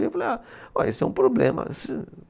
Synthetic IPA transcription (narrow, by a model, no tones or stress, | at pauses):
falejaɔesʊɛũpɾoblḛ̃mɐ̰sĩ